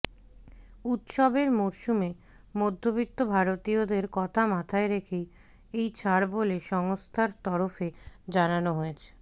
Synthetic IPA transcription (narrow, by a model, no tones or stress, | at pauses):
ut̪ʃobeɾmoɾʃume | mod̪ʱːobikt̪ːobʱaɾot̪iod̪eɾkɔt̪ʰamat̪ʰaeɾekʰej | ejt͡ɕʰaɾboleʃɔŋost̪ʰaɾt̪ɔɾofed͡ʑananoɦoet͡ɕʰe̥